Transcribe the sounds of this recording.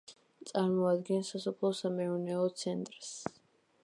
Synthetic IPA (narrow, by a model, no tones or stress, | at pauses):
t̪sʼaɾmɔad̪ɡɛnsasɔpʰlˠɔsamɛɔnɛɔt̪sʰɛnt̪ʼɾs